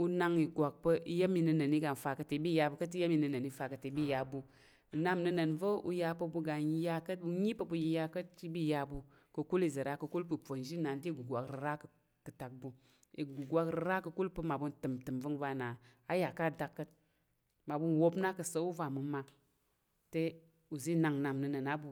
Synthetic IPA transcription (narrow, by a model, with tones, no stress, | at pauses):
u˧na˧ŋi˨ɡʷa˨k̚pə˧i˧˦jə˦mi˧nɨ˧nə˨ni˦ɡa˨n̩˨fa˧kə˧te˨˦bi˦ja˧bu˧kə˦t̬i˦jə˦mi˧˨nɨ˨˧nə˨ni˨˦fa˧kə˨te˨˦bi˦˨ja˧bu˧˨ | na˦˨mnɨ˧nə˨nvə˦ṵ˧ja˧pə˧bu˧ɡa˨n˦ja˧kə˦tbu˧ɲi˦pə˧bu˧ja˧kə˦tt͡ʃi˦bi˦ja˧bu˧ | kə˨˧ku˦li˧zə˨ɾa˨˧kə˧ku˦lpu˨po˨n˦ʒi˦na˨n̩˦ti˦˨ɡu˨ɡʷa˨kɾɨ˨ɾa˦k | kə˨ta˨k̚bu˧ | i˨ɡu˨ɡʷa˧kɾɨ˧˦ɾa˦kə˧ku˦lpɨ˧ma˨bu˧ntɨ˨mtɨ˨mvə˦ŋva˧na˨a˦ja˨ka˦˨da˧kːə˦t̚ | ma˨bu˧˦nwo˧pna˦kə˨sə˨˦u˦va˨mɨ˨ma˧ | te˦ | u˨zi˦na˧ŋna˧mnɨ˧nə˨na˦bu˨